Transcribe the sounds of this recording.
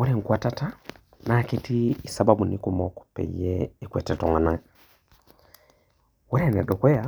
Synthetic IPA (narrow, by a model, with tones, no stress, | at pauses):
wo˦ɾɛ˦˨ŋ˨kwa˨ta˦ta˦ | na˨ke˦ti˦i˨sa˨ba˦bu˨ni˦ku˨mɔ˦kɔ̥pɛ̰˨jɛː˦˨kwɛ˨tɛ˨tɔ˨ŋa˨na˦ | wɔ˦ɾɛ˨nɛ˨ɗɔ˨kwɛ˦ja˨